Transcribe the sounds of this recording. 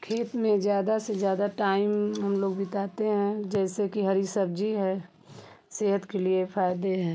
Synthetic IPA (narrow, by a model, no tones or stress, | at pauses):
kʰeːt̪mẽd͡ʒjaːd̪asezjaːd̪aʈaːɪmɦəmloːɡbɪt̪aːt̪eɦɛ̃d͡ʒɛːsekiɦɐɾisəbd͡ʒiɦɛ | seːɦət̪keliefʰaːjd̪eɦɛ̃ː